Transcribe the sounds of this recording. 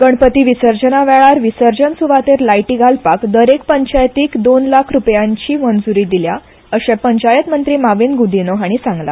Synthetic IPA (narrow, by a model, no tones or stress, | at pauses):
ɡ̥əɳpət̪iːʋisəɾd͡ʑənaʋɛɭaɾʋisəɾd͡ʑənsuʋat̪eɾlajʈiːɡʱalpakd̪əɾek̚pəɲt͡ɕajt̪iːkd̪onlakʰɾupjãɲt͡ɕiːmənd͡zuɾiːd̪ilja | əɕepəɲt͡ɕajət̪mənt̪ɾiːmaʋinɡud̪ʱinɔɦaɽ̃isãŋɡla̰